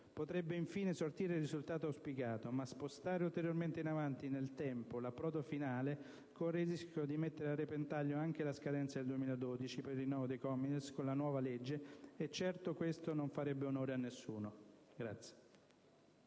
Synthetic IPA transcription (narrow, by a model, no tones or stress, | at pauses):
pot̪ɾɛbːeiɱfiːnesort̪iːɾelrːizult̪aːt̪oawspikaːt̪omaspost̪aːɾeult̪eɾjorment̪einavant̪inelt̪ɛmpolapːɾɔːd̪ofinaːle | korːeziskod̪imet̪ːeɾearːepent̪aʎːoaŋk̟elaskad̪ɛnt̪sad̪eld̪uemiːlad̪od̪it͡ʃipeɾrːinːɔːvod̪ejkɔmːinskonlanwɔːvaled͡ʒːeːt͡ʃːɛrt̪okwest̪onoɱfaɾɛbːeonoːɾeanːesːuːno | ɡɾa̰t̪sːje̥